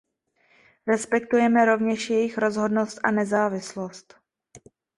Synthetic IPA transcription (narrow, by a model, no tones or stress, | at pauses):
ɾɛspɛk̚t̪ujɛmɛɾo̞vɲɛʃjɛjɪxɾo̞zɦo̞dno̞st̪ʔa̰nɛzaːvɪslost̪